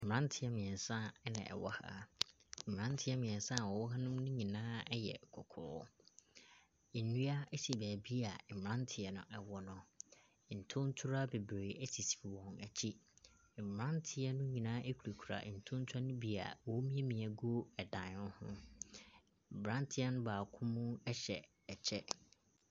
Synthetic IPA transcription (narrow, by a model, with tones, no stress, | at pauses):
ɾã˦ntʰɪ˨ɛ˦mɪ̃˨ɛ˨n˨sã˦ɛ˦nɪ̰̃˨ʔɛ̰˨wɔ˦ha̰˦˨ | ã˦ntʰɪ˨˦ɛ˦mɪ̃˨ɛ˨n˨sã˦˨wɔ˨wɔ˦ɦa˦nʊ̃˦mnʊ̃˦ɲĩ˨nãː˦ɛ˦jɛ̰˨kʰɔ˨kʰʊ̰˨ɾʊ˦ | e˨nũ˦a˦ɛ˦si˨bɛː˨bi˦a˨m˨ɾã˦n˦tʰɪ˨ɛ˨nʊ̰̃˨ʔɛ˨wɔ˨nʊ̃˨ | n̩˨tʰʊ̃˦n˦tʰu˦ɾa˦be˨bɾeː˨ɛ˦si˨si̥˨bi˨wɔ̃˨nɛ˨t͡ɕʰi˦˨ | m˨m˨ã˦ntʰɪ˨˦ɛ˦nʊ̃˦ɲĩ˨nãː˦ʔe˦kʰu˨ɾe˨kʰu˨ɾa̰˨ʔn̩˨tʰʊ̃˦n˦tʰa˦nʊ̃˦bi˦a̰˨wɔ˨˦mĩ˦ɛ˦mĩ˨ɛ˨ɡo˦ɛ˨dã˨nʊ̃˦hʊ̰̃˦˨ | bɾã˦ntʰɪ˦a˦nʊ̃˦baː˨kʰʊ̃˦mʊ̃˦ɛ˦ɕɛ˨ | ɛ˨t͡ɕʰɛ˦